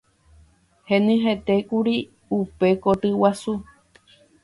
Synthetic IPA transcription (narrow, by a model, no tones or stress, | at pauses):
hẽnɨ̃ɦet̪ekuɾi | upe̞kot̪ɨwasu